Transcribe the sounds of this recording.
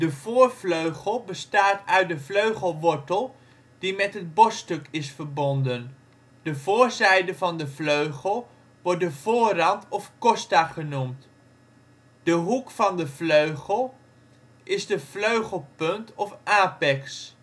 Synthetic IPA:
dəvʊːɹvløɥχəlˠbəstaːtœɥt̚dəvløɥχəlˠʋɔɹtəlˠ | d̥imɛtɦəd̚bɔstɵkɪsfəɹbɔndən | d̥əvʊːɹzɛjdəvɑndəvløɥχəlˠ | ʋɔɹt̚dəv̥ʊːrɑntɔfkɔstaχənumt | d̥əɦukfɑndəvløɥχəlˠ | ʔɪzdəv̥løɥχəlˠpɵntɔfʔaːpɛks

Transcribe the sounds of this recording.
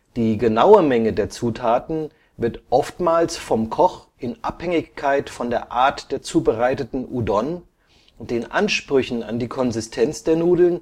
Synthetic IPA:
d̥iːɡənaʊəmɛŋədeːɐt͡suːtʰaːtn̩ | vɪɐtʔɔftmaːlsfɔmkʰɔχʔɪnʔaphɛŋɪçkʰaɪtfɔndeːɐʔaːɐtd̥eːɐt͡suːbəʁaɪtətn̩ʔudɔn | ʊd̥eːnʔanʃpʁ̥ʏçn̩a̰ndiːkʰɔnzɪstʰɛnt͡sd̥eːɐnuːdl̩n

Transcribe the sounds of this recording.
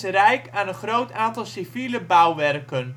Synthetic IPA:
səɾɛjkaːnənχrowtaːntɑlˠsiviləbʌwʋɛrkən

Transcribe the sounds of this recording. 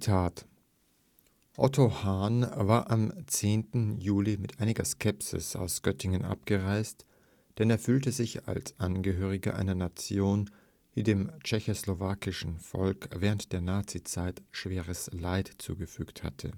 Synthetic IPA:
tʰaːt | ʔɔ̰tʰohaːnvaːɐʔamt͡seːntn̩juːlimɪtʔaɪnɪɡɐskʰɛpsɪ̰sa̰ʊsɡ̥œtʰɪŋənʔa̰p̚ɡ̥əʁaɪst | d̥ɛneːɐfyːltəzɪça̰lsʔanɡəɦøːʁ̞ɪɡə̰ʔa̰ɪnɐnat͡sjoːn | d̥iːdeːmt͡ʃɛçoslovaːkɪʃn̩fɔ̰lkv̥ɛːʁəntd̥eːɐnaːt͡sit͡saɪtʃv̥eːʁəslaɪtt͡sṵːɡəfy̰ːktha̰tʰə̰

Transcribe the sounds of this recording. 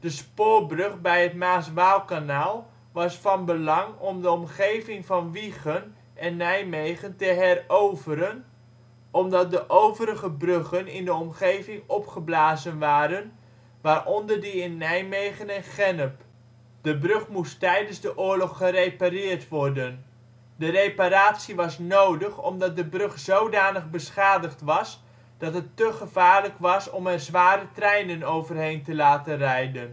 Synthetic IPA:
d̥əspoːɹbrøχbɛjətmaːsʋaːlˠkanaːlˠ | ʋɑsfɑnbəlɑŋɔmdəɔmχejvɪŋvɑnʋiχən | ʔɛnːɛjmejχəntəɦɛrowvəɾən | ʔɔmdɑt̚dəʔowvəɾəχəbrøχənɪndəɔmχejvɪŋɔpχəblaːzənʋaːɾən | ʋaːrʔɔndərdəɪnːɛjmejχənɛnχɛnəp | d̥əbrɵχmustɛjdənzdəʔʊːɹlɔχːərejparɪːrtʋɔrdən | dərejpaɾaːtsiʋɑsnowdəχɔ̰mdɑt̚dəbrøχz̥owdaːnəχbəsχaːdəχtʋɑs | d̥ɑtɦətːəχəv̥aːɹləkʋɑsɔmɛrzʋaːɾətrɛjnənowvərɦejntəlaːtənrɛjdən

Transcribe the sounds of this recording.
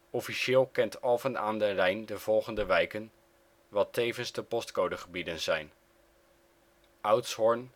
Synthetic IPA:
ɔfiʃɪːlˠkɛntɑlˠvəna̰ːndərɛjndəv̥ɔlˠχəndəʋɛjkən | ʋɑtejvənzdəpɔstkowdəχəbidənzɛjn | ʔawtsɦɔɹn

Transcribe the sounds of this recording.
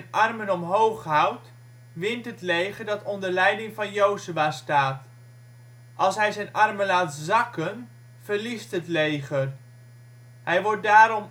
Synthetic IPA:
nʔɑrmənɔmɦowχɦʌwt | ʋɪntɦətlejχəɹdɑtɔndəɹlɛjdɪŋvɑnjowzyaːstaːt | ʔɑlˠsɦɛjzɛjnʔɑrmənlaːtzɑkən | v̥əɹlistɦətlejχər | ɦɛjʋɔɹt̚daːɾɔm

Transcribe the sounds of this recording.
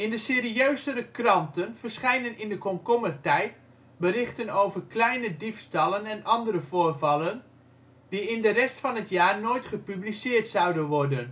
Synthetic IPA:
ɪndəsɪːɾiøɥzəɾəkrɑntənv̥ərsχɛjnənɪndəkɔmkɔmətɛjt | bəɾɪχtənowvərklɛjnədifstɑlˠənɛnɑndəɾəvoːrvɑlən | d̥iɪndərɛstfɑnətjaːrnoːjtχəpyblisɪːrtsʌwdənʋɔrdən

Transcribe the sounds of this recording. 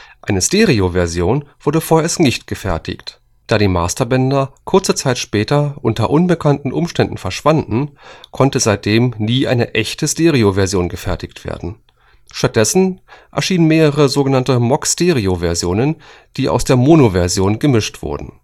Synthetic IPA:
ʔaɪnəsteːʁiovɛɐzjoːnv̥ʊɐdəfoːɐʔeːɐstnɪçtɡ̥əfɛɐtɪ̰çt | d̥aːɾiːmaːstɐbɛndɐkʰʊɐt͡sət͡saɪtʃpɛːtɐʔʊntɐ̰ʔʊnbəkʰantn̩ʔʊmʃtɛndn̩fɛɐʃv̥andn̩kʰɔntəzaɪt̚d̥eːmniːʔa̰ɪnəʔɛçtəsteːʁiovɛɐzjoːnɡəfɛɐtɪçtv̥ḛːɐdn̩ | ʃtat̚d̥ɛsn̩ʔɛ̰ɐʃiːnənmeːʁəʁ̞əzoːɡənantəmɔksteːʁiovɛɐzjoːnən | d̥iːʔa̰ʊsd̥eːɐmoːnovɛɐzjoːnɡəmɪʃtv̥ʊ̰ɐdn̩

